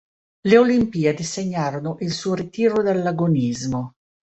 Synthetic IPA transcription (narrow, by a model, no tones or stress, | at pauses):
leolimpiːed̪iseɲːaːɾonoʔilsuːoɾit̪iːɾod̪elːaɡonizmo